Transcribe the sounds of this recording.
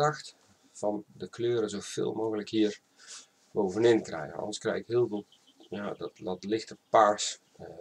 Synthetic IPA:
axt | fɔndəkløːɾəzoːfɪ̰ːlˠmoːɣələkhiər | boːvənɪnkrɛ̰jɣə̰ɔ̰ndərskrɛ̰jɣɪkhiəlˠvolˠ | jadɔtdɔtlɪxtəpas

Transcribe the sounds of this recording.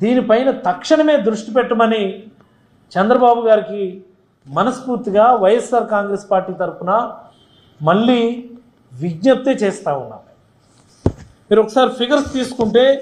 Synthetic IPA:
d̪iːnipɐjnɐt̪ɐkʂɐɳɐme̞ːd̪ɾuʂʈipɛʈːɐmɐni | t͡ʃɛnd̪ɾɐbaːbuɡaːɾiki | mɐnɐspuːɾt̪iɡaːʋɐjɐsaːɾkaːŋɡɾeːspaːɾʈiːt̪ɐɾpunɐ | mɐɭːiː | ʋiɡɲɐp̚t̪eːt͡ʃeːst̪aːunːa̰ː | miːɾɔkːɐsaːɾipʰiɡɐɾst̪iːsu̥kuɳʈe̞ː

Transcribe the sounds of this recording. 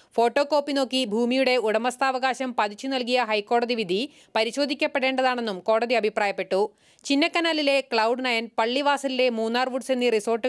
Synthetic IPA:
fo̞ːʈːo̞ko̞ːpːino̞ːkːibʱuːmijuɽe̞uɽɐmɐst̪ʰaːʋɐɣaːɕɐmpɐðit͡ɕːunɐlk̬ijɐɦɐjkːo̞ːɽɐðiʋid̪ʱi | pɐɾiɕo̞ːd̪ʱikʲːɐpːe̞ɽe̞ːɳɖɐðaːɳe̞nːumko̞ːɽɐðiɐbʱipraːjɐpːe̞ʈːu | t͡ɕinːɐkːɐnaːlile̞kɭɐwɖnɐjɐnpɐɭːiʋaːsɐlile̞muːnːaːrʋuʈse̞nːiriso̞ːrʈːɨ

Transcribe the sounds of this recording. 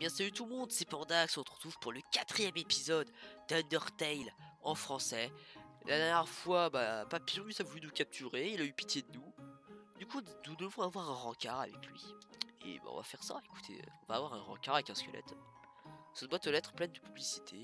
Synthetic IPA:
bjɛ̃savyt̪ulmɔ̃d̪sepɑ̃ʁd̪aksɔ̃t̪χə̥t̪χuv̥puʁləkʲat̪χijɛmepizɔd̪ːand̪œʁt̪ɛjlɑ̃fχɑ̃sɛlʔad̪ɛʁnjɛʁfwabapapiʁmisavulynukʲap̚t̪ʰyʁeilaypi̥t̪jed̪ənud̪ykud̪ud̪əvɔ̃avwaʁɛ̃ʁɑ̃kʲaʁa̰vɛ̰klɥḭḛba̰ɔ̰̃va̰fɛʁsa̰eku̥t̪ʰḛɔ̃vavwaʁɛ̃ʁɑ̰̃kʲaʁavɛkɛ̃skʲəlʔɛ̰t̪ | sɛt̪bwat̪əlɛt̪χplɛnd̪əpyblisi̥t̪ʰe

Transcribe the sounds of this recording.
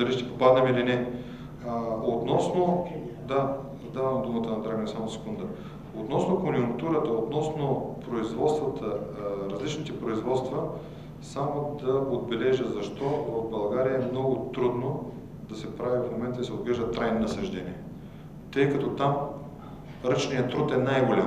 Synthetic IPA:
d̪ɐliʃt̪ɛ̥popad̪nɛmilinɛ | ot̪nɔsnod̪a | d̪avɐmd̪umət̪ənɐd̪ɾaɡnɛsamosɛ̥kund̪ə | ot̪nɔsnokonʲjʊŋkt̪uɾət̪əot̪nɔsnopɾoizvɔt̪st̪vət̪ʰəɾɐzlit͡ʃnit̪ɛpɾoizvɔt̪st̪və | samod̪ɐod̪̚bɛlɛʒəzɐʃt̪ɔvɐvbɐlˠɡaɾiəɛmnɔɡʊt̪ɾud̪no | d̪̥ɐsɛpɾavivfmomɛnt̪əd̪sɛod̪ɡɾɛʒd̪ət̪ɾajnonɐsɐʒd̪ɛnḭɛ | t̪ɤjkɐt̪ɔt̪am | ɾət͡ʃnijət̪ːɾut̪ɛnajɡolʲa

